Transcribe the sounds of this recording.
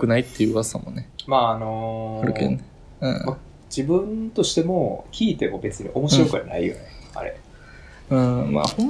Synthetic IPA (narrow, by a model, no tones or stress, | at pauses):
kɯ̟nait̪ːe̞jɯasamonemaːno̞ɾɯ̰kḛne | ɯ̰̃ːma | d͡ʑibɯ̟̃nt̪o̞ɕi̥t̪e̞mo̞kʲiːt̪e̞mo̞be̞t͡sɨɲ̟ḭʔo̞mo̞ɕiɾo̞kɯ̟a̰na̰ijo̞̰nea̰ɾe̞̰ | ɯ̃ːma̰ːhõ